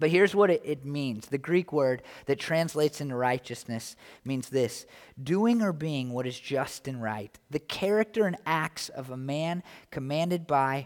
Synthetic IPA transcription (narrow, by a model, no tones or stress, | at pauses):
b̥ʌt̚hɪɹzwʌɾɨɾʔɪt̚mĩnz̥ðɨɡɹikwɜ˞d̪̚ðɨtʰɹ̥æ̃nsleɪtsɪ̃ntɨɹaɪt͡ʃɨsnɨsmĩnzðɪsd̥uɪ̃ŋə˞biɪ̃ŋwʌɾɨzd͡ʒʌstɨ̃nɹa̰ɪt̪̚ðɨkʰɛɹɨk̚tə˞ɨ̃næk̚tsʌ̰vəmæ̃nkʰɨmæ̃ndɨd̚baɪ